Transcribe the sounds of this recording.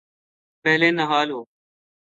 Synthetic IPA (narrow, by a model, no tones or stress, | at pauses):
pəɦleːnəɦaːlɦoː